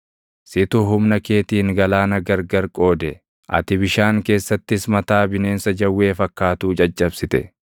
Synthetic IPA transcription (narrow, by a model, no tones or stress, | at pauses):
sɪt̪ʊɦʊmnɐke̞ːt̪iːŋɡɐlaːnɐɡɐɾɡɐɾkʼo̞ːd̪ɛ | ʔɐ̰t̪ɪbɪʃaːŋke̞ːsːɐt̪ːɪsmɐt̪aːbɪneːnsɐd͡ʒɐwːe̞ːfɐkːaːt̪uːt͡ʃʼɐt͡ʃʼːɐbsɪt̪ɛ̰